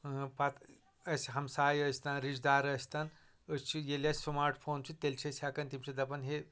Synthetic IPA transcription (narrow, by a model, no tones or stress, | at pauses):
pɐt̪ | ɐsʲɦɐmsaːjɐsʲt̪aːnɾid͡ʒd̪aːɾɐsʲt̪ɐn | əst͡ʃʰijelʲɐsʲsmaːɾʈʰpʰoːnt͡ʃʰit̪elʲt͡ʃʰɐsʲakɐnt̪imt͡ʃʰid̪ɐpɐnɦe